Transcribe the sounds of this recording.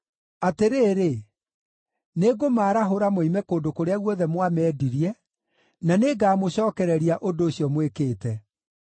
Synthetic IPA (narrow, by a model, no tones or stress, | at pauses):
ateɾeːɾe | neɡomaːɾaɦoɾamoimɛkoːndokoɾeaɣwɔðɛmwamɛːdiɾiɛ | naneɡaːmoɕɔːkɛɾɛɾiaʔondoːɕiɔmwekeːtɛ